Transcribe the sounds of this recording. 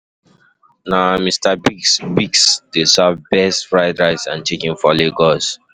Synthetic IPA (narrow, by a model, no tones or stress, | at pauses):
namistabiksbiksd̥esavbɛstfɹaɪdɹaɪsã̰nt͡ʃekĩŋfɔleɡɔs